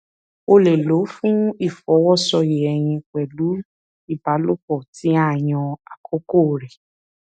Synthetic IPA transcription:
o˧le˨lo˨˦fũ˦i˦˨fɔ˨˦wɔ˦˨sɔ˧je˨ɛ˨j̃ĩ˧k͡pɛ˨lu˨˦ | i˦˨ba˨˦lo˦k͡pɔ˦˨ti˨˦a˦˨j̃ɔ̃˧a˨kʰo˦ko˦˨ɾe˨

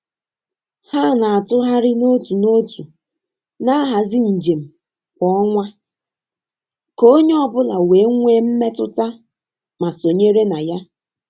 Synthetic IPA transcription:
ha˦˨na˨a˨tʊ˦ɦa˦ɾɪ˦no˦tu˨no˦tu˨ | na˦ɦa˨zɪ˦n̩˨d͡ʒe˨m̩˨ | kʷɔ˦ɔ˦ŋʷa˦ | ko˦o˦ɲe˦ɔ˦bʊ˦la˨we˨˦ŋʷe˦m̩˦me˦tʊ˦ta˦ | ma˨so˨ɲe˦ɾe˦na˨ja˦

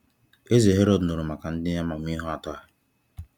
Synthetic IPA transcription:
e˦ze˨ɦe˦ɾɔ˦dno˨ɾʊ˨ma˨ka˨n̩˦dɪ˦ja˦ma˨m˦i˦ɦʊ˦a˨tɔ˦a˨

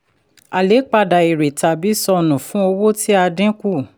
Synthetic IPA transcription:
a˨le˨˦k͡pa˧da˨i˨ɾe˨ta˨bi˨˦sɔ˧nũ˨fũ˨˦o˧wo˦tʰi˦a˧dĩ˦ku˦˨

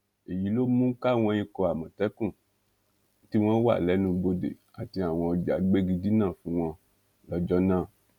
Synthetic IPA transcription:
e˨ji˨˦lo˦mũ˦ka˦˨w̃ɔ̃˧jĩ˧kɔ˧a˨mɔ̃˨tɛ˨˦kũ˦˨˦ | ti˦w̃ɔ̃˦wa̰˦˨lɛ˨˦nũ˧bo˧dḛ˨ | a˨ti˧a˨w̃ɔ̃˧ɔ˧d͡ʒa˨˦ɡ͡be˦ɡi˧di˦nãː˦˨fũ˨˦w̃ɔ̃˧ | lɔ˧d͡ʒɔ˦nãː˦˨

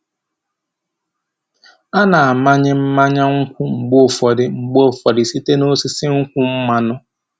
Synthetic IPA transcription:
a˦na˨a˨ma˦ɲɪ˦m̩˦ma˦ɲa˦ŋ̩˦kʷʊ˦ŋ͡m̩˨ɡ͡bo˦˨fɔ˨dɪ˨ŋ͡m̩˨ɡ͡bo˦˨fɔ˨dɪ˨si˦te˦no˦sɪ˦sɪ˦ŋ̩˦kʷʊ˦m̩˦ma˦nʊ˦

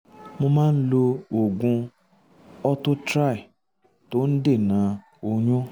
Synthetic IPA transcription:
mo˧mãː˦n̩˦lo˧o˨ɡũ˧ | ɔ˧to˦tɾa˦˨i˨ | to˨˦n̩˦de˦˨nã˨˧ | o˧ɲ̃ũ˦

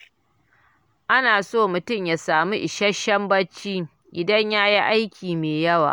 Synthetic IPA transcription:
ʔa˦naː˨soː˦˨mʊ˨tʊ˦˨mjaː˨saː˨mu˦ʔɪ˨ʃɐ˦ʃɐ˦mbɐ˦t͡ʃːiː˦ | ʔɪ˨dɐ˦ɲjaː˦ji˦ʔa˦jkʲʰiː˨meː˨jɐ˦wa̰ː˨

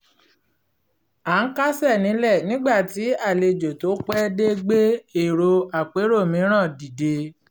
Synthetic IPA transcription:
a˨˦ka˦sɛ˦˨nĩ˨˦lɛ˦˨nĩ˦ɡ͡ba˦˨ti˨˦a˦˨le˧d͡ʒo˨to˨˦k͡pɛ˦de˦ɡ͡be˦e˦˨ɾo˧a˨k͡pe˨˦ɾo˦˨mĩ˨˦ɾ̃ã˦˨di˨de˧

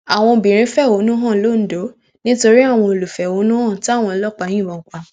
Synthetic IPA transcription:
a˨w̃ɔ̃˧bĩ˨ɾ̃ĩ˨˦fɛ˦˨o˨˦nũ˦ɦɔ̃˦˨lo˦˨n̩˨˦do˨˦ | nĩ˦to˧ɾi˦a˦˨w̃ɔ̃˧o˨lu˨fɛ˨o˨˦nũ˦hɔ̃˦˨ti˦a˦˨w̃ɔ̃˧˦lɔ˦k͡pa˨˧˦j̃ĩ˦˨bɔ̃˨k͡pa˨

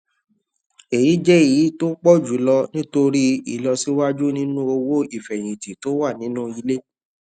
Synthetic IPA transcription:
e˨ji˨˦d͡ʒɛ˦˨i˨˦to˦k͡pɔ˦˨d͡ʒu˨˦lɔ˧nĩ˦to˧ɾi˦ḭ˨lɔ˧si˦wa˦d͡ʒu˦nĩ˦nũ˦o˧wo˦i˦˨fɛ˨j̃ĩ˨ti˨to˨˦wa˦˨nĩ˦nũ˦i˧le˦

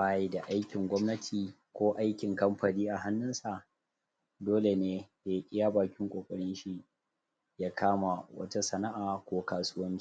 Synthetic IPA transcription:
baː˦ji˦da˨ʔa˦jkʲɪ˨ŋɡʷɔ˦mnɐ˦tʰiː˨ | kʷoː˦ʔa˦jkʲɪ˨ŋkɐ˦mɸɐ˨niː˦ʔa˨ɦa˦nːʊ˦nsa˨ | doː˦le˨neː˦de˨˦ʔʲʼɪ˦jaː˦baː˨kʲɪ˦ŋkʷʼoː˨kʼɐ˨ɽɪ˦nʃi˦ | jaː˦kʰaː˦ma˨wɐ̰˦ta˦sɐ˨na˦ʔaː˨kʷoː˦kaː˨sʊː˦wɐ˦ŋki˦

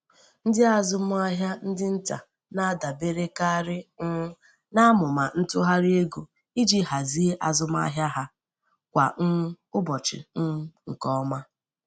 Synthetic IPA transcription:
n̩˦dɪ˦a˦zʊ˦m˦a˦ɦja˦n̩˦dɪ˦n̩˦ta̰˨ | na˦da˨be˦ɾe˦ka˦ɾɪ˦ | na˦a˦mʊ˨ma˨n̩˦tʊ˦ɦa˦ɾɪ˦e˦ɡo˨ | i˦d͡ʒi˦ɦa˨zi˦e˦ʔa˨zʊ˦m˦a̰˦ɦja˦ɦa˦ | kʷa̰˨ŋ̩˦ | ʊ˦bɔ˨t͡ʃɪ̰˨n̩˦ŋ̩˨kɔ˦ma˦

